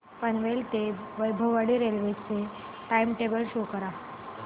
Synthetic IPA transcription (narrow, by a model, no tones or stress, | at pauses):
pənʋelt̪eʋəjbʱəʋaɽiɾelʋet͡se | ʈaimʈebəlɕokəɾa